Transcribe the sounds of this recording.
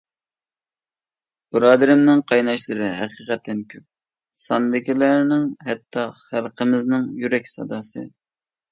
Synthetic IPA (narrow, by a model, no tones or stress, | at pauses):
b̥ɨɾɑːd̪ɪɾɪmnɪŋqʰɑjnɑʃlˠɨɾɪɦæqiqɛt̪ːɛnkʲʰøp̚ | sɑnd̪ɪkʲilæɾnɪŋɦɛt̪ʰːɑχælˠqʰəmɪznɪŋjyɾɛkʲsɑ̰d̪ɑsɨ̰